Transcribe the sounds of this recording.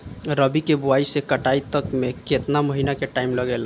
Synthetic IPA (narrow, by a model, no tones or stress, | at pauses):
ɾəbikebuaisekəʈait̪əkmeket̪naməɦinakeʈaimləɡela